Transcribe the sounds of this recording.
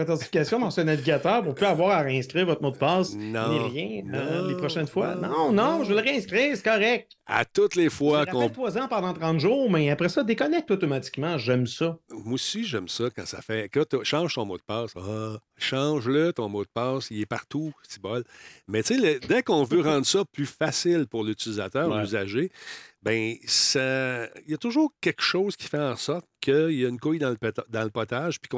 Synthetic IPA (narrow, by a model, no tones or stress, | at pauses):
pat̪ɑ̃sifi̥kʲasjɔ̃pɑ̃sɛnaviɡʲat̪œːʁpʊʁpyavwaːʁaʁeɛ̃skʲʁiːʁvɔt̪mod̪̚əpɑːsñeʁjɛ̃lepʁɔʃɛnfwa̰nɔ̃nɔ̃ʒvəlʁeɛ̃skʲʁiːʁsɛ̥kɔʁɛk̚t̪a̰t̪ʊt̪lefwakɔ̃t̪wazɑ̃pɑ̃d̪ɑ̃t̪ʁɑ̃t̪ʒuːʁmɛapʁɛsɔd̪ekɔnɛk̚t̪ot̪ɔmat̪i̥kmɑ̃ʒɛmsɔmusiʒɛmsɔkã̰sa̰fɛkɔt̪ʃɑ̃ːʒ̥t̪ɔ̃mod̪̚pɑːsɔ | ʃɑ̃ːʒlət̪ɔ̃mod̪̚pɑsiɛpaʁt̪utibɔlmɛt͡seləd̪ɛkɔ̃vøʁɑ̃ːd̪ʁsɔplyfasɪlpʊʁlyt͡silizat̪œːʁyzaʒebɛ̃sajɐt̪ʊʒuːʁkʲɛlkʃɔʊz̥kʲi̥fɛɑ̃sɔʁt̪̚kʰəjaynkʊjd̪ɑ̃ləp̪d̪ɑ̃ləpɔt̪aʒ̥pi̥kɔ̃